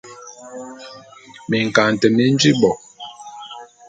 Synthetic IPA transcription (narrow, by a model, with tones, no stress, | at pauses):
mi˨ŋ˨ka˨n˨tɛ˨mi˦n˦d͡ʒi˦bɔ˨